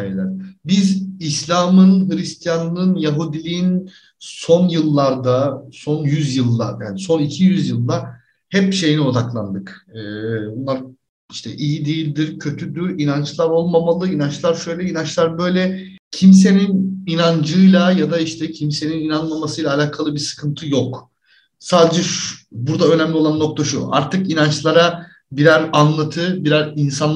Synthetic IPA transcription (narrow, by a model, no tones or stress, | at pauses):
ajelʲæ̰ɾ̥bizislʲaːmɯnɦɯɾist̪ʰijanlˠɯnjaɦuːd̪ilʲiin | so̞njɯlˠːaɾd̪aso̞njyzjɯlˠːa̰ja̰ːniso̞nicʰijyzjɯlˠd̪a | hɛpʃe̞jinio̞d̪aklˠa̰nd̪ɯkɯːbunlˠaɾ | iʃt̪ʰɛ̰ʔijid̪ijilʲd̪iɾcʰø̞t̪ʰyd̪yɾinant͡ʃlˠaɾo̞lˠmamalˠɯinant͡ʃlˠaɾʃø̞jlʲɛinant͡ʃlˠaɾbø̞jlʲɛ | cʰims̬e̞nininand͡ʒɯjlˠajad̪aiʃt̪ʰɛcʰimse̞nininanmamasɯjlˠaːlʲaːkʰalˠɯbiɾsɯ̥kʰɯnt̪ʰɯjok | saːd̪ed͡ʒɛʃbuɾd̪aø̞næmlʲio̞lˠanːo̞k̚t̪ʰaʃṵa̰ɾt̪ʰɯkinant͡ʃlˠaɾa | biɾæɾanlˠat̪ʰɯbiɾæɾinsan